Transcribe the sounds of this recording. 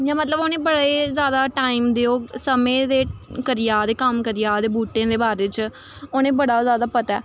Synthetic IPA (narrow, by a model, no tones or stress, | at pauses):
jãːmət̪ləboːnẽːbəɽeːzjaːd̪aːʈaːiːmd̪eːoːsəmẽːd̪eːkəɾɪjaːd̪eːkəmkəɾijaːd̪eːbuːʈẽːd̪eːbaːɾeːt͡ʃ | oːñeːbəɽaːzjaːd̪aːpət̪ɛː